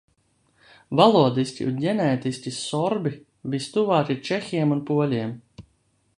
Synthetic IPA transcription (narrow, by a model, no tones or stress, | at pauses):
valˠuɔd̪isʲcʲḭʔunɟʲɛnɛːt̪isʲcʲisɔɾbi | vist̪uvaːt̪ʲit͡ʃɛxʲiɛmunpuɔlʲiɛm